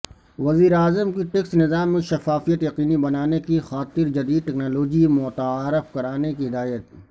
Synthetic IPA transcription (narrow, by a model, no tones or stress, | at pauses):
ʋɐziːɾaːzəmkiʈeksnɪzaːmːẽʃɐfaːfijət̪jɐqiːnibɐnaːnekixaːt̪ɪɾd͡ʒɐd̪iːd̪̚ʈɛːknaːloːd͡ʒimʊt̪aaːɾəfkɐɾaːnekiɦɪd̪aːjət̪̚